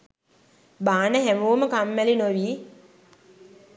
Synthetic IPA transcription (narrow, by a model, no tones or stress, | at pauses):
baːnəɦæmuːməkamːælinoʋiː